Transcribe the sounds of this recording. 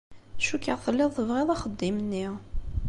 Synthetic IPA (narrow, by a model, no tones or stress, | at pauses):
ʃukːəʁθəlːɪðˤθəvʁɪðˤɑχəd̪ːimnːi